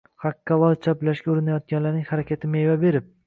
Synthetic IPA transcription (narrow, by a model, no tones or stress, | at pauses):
hakʲːalˠɒlt͡ʃʰaplaʃɡʲaʊɾɪnajɒt̪̚ɡʲanlaɾnɪŋhaɾakʲʰat̪ʰɪmevabe̞ɾɪp̚